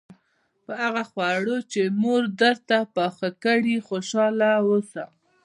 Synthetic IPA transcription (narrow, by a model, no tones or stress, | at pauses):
pəaɣaxwaɽot͡ʃemoɾd̪əɾt̪apɑxakəɽixoʃɑlawəsa